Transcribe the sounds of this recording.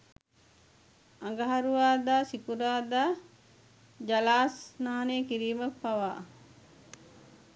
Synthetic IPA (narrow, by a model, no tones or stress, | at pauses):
aŋɡɐɦɐɾuʋaːd̪aːsikuɾaːd̪aː | d͡ʒɐlaːsnaɦaneːkiɾiːməpːɐʋaː